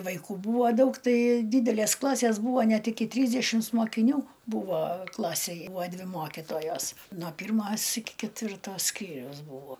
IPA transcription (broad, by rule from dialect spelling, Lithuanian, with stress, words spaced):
ʋɐɪˈkuː ˈbuːʋoː ˈdɐʊk ˈtɐɪ ˈdʲiːdʲɛlʲeːs ˈklˠɑːsʲeːs ˈbuːʋoː ˈnʲɛt ɪkʲɪ ˈtʲrʲiːzʲdʲɛʃʲɪms moːkʲɪˈnʲuː ˈbuːʋoː ˈklˠɑːsʲeːj ˈbuːoː ˈdʲʋʲɪ ˈmoːkʲɪtoːjoːs noː ˈpʲiːrˌmoːs ɪkʲɪ kʲɛtʲˈʋʲɪrtoː ˈsʲkʲiːrʲɛʊs ˈbuːʋoː